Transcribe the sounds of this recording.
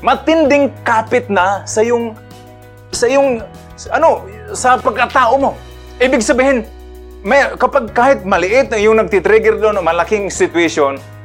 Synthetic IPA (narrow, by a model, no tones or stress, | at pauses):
mɐt̪ɪnd̪ɪŋkaːpɪt̪̚nasɐjʊŋ | sɐʔɪjʊŋ | ʔɐnosɐpɐɡ̚kat̪aːʔomo̞ | ʔiːbɪɡsɐbiːhɪn | majkɐpaɡ̚kaːhɪt̪̚mɐlɪʔɪt̪̚aŋjʊŋnɐɡ̚t̪ɪt̪ɾɛɡɛɾd̪oʔonomɐlakɪŋsɪt̪waʃjon